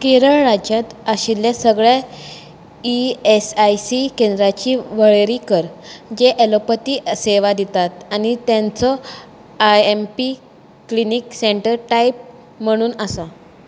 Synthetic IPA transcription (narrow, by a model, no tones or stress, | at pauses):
keɾəɭɾad͡ʑjat̪aɕilːjasəɡɭja | iesajsikend̪ɾat͡ɕiːʋəɭɾiːkəɾd͡ʑeʔelopət̪iːʔseʋad̪it̪at̪añit̪jãnt͡sɔ | ajempi | klinikseɳʈəɾʈaip̚ | m̤əɽ̃uːnəsa